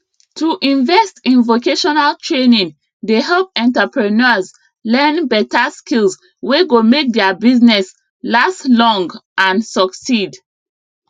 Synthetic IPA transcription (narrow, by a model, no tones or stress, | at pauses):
tʰuʔĩɱvɛstĩnvokeʃɔnaltʰɹenĩŋ | deɦɛlp̚ɛ̃ntapɹɛnɔz | lɛ̃nbɛtaskilz | weɡomek̚dɛbiznɛs | laslɔ̃ŋɡʔãnsɔksid